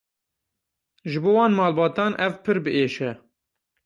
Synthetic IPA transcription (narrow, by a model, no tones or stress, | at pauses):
ʒɨboːwɑːnmɑːlbɑːt̪ɑːnʔɛvpʰɨɾbɨʔeːʃɛ